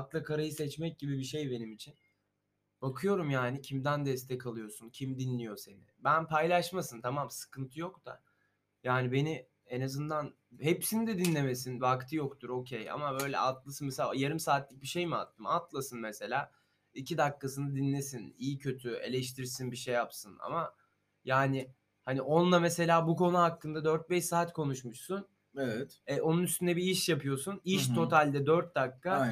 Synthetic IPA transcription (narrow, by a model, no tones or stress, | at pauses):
ak̪lˠakʰaɾajɯsɛt͡ʃmɛc̚ɟibibiʃejbe̞nimit͡ʃʰin | b̥akʰɯjo̞ɾumjaːnicʰimd̪ænd̪ɛst̪ʰɛcʰalˠɯjo̞suncʰimd̪inlʲijo̞se̞nɪ̰bænpʰajlʲˠaʃmasɯnt̪ʰamamsɯ̥kʰɯnt̪ʰɯjo̞kt̪a̰ | jaːnibe̞ni | enazɯnd̪an | hepsinid̪ɛd̪inlʲeme̞sinvakt̪ʰɯjo̞kt̪ʰuɾo̞cʰeja̰mabø̞jlʲɛ̰ʔat̪lˠasɯnmɛsajaɾimsaːt̪lʲic̚biʃejmia̰t̪ʰːɯmat̪lˠasɯnmɛse̞lʲaː | icʰid̪akʰːasɯnd̪ad̪inlʲe̞sinijicʰø̞t̪ʰye̞̰lʲɛʃt̪ʰiɾsinbiʃejːapsɯna̰ma | jaːnɪ | haniʔo̞nlˠamese̞lʲaːbuko̞nuɦakːɯnd̪ad̪øɾt̪̚bɛʃsaːt̪kʰo̞nuʃmuʃsun | evɛt̪ɛo̞nunyst̪ynd̪ɛbiiʃjapʰɯjo̞suniʃt̪ʰo̞t̪ʰalʲd̪ɛd̪øɾt̪̚d̪akːa